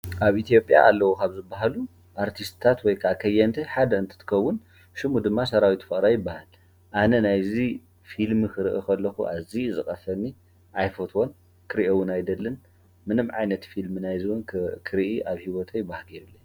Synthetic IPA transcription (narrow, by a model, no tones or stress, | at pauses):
ʔaβʔit̪ʰijo̞pʼja̰ʔalːɐwokʰaβzɨbːaɦalu | ʔaɾt̪ʰist̪t̪ʰat̪wɔjkʰaakʰɐjɛnt̪ʰiħad̪ɐɨnt̪ʰɨ̥t̪ʰɨ̥kʰɐwːʊn | ʃɨmud̪ɨmːasɐɾawit̪ʰu̥fɨʔʼɾajɪbːahal | ʔanɐnajzi | filmɨkʰɨɾɨʔɨkʰɐlːɐxṵʔa̰zizɨχʼɐfɐnːi | ʔajfot̪ʰwon | kʰɨɾiʔɐwːɨnajd̪ɐlːɐn | mɨnɨmʕa̰jnɐt̪filmɨnajziwonkʰɨɾiʔiʔaβhiwɔt̪ʰɐjɪbːahalɡeɾulːɐɲ